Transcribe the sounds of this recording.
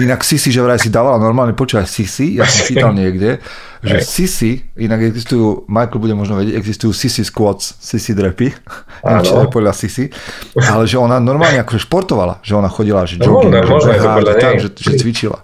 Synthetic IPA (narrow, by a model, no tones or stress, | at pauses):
inaksisiʒɛʋɾaɛsid̪aːʋalanɔɾmaːlɲɛpɔt͡ʃuːʋacsisijasɔ̃mpiːt̪alɲɪɛɡɟɛ | ʒɛsisiinaɡɛɡzist̪ujuːmajkl̩ˠbuɟɛmɔʒnɔʋɛɟɛɟɛɡzist̪ujuːsisiskwɔt͡ssisid̪ɾɛpḭ | nat͡ʃ̪ɛɛpɔd̪ʎasisialɛʒɛɔnanɔɾmaːlɲɛakɔʒɛʃpɔɾt̪ɔʋala̰ʒ̥ɛɔnaxɔɟilaʒd͡ʒɔkinɦaat̪amʒɛʒɛt͡sʋit͡ʃila̰